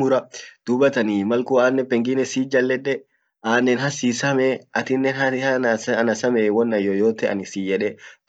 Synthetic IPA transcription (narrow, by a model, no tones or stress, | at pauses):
ʊɾɐd̪̥ʊbɐt̪ɐniːmɐlkuaːnːɛpɛŋɡɪnɛsiːd͡ʒɐlːɛᶑɛ | ʔaːnːɛnhɐsiːsɐmɛɐt̪ɪnːɛnhɐɐnɐsɐmeːwɔnːɐjojoːt̪ɛʔɐ̰nɪsijɛᶑɛ